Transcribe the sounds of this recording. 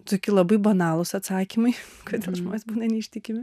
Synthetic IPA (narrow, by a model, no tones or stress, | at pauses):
t̪oːkʲɪlˠɐbɐɪbɐnɑːlˠʊsɐt̪sɑːkʲimɐɪkoːd̪ʲeːlˠʒmoːnʲesbuːnɐnʲɛiʃʲt̪ʲɪkʲɪmʲɪ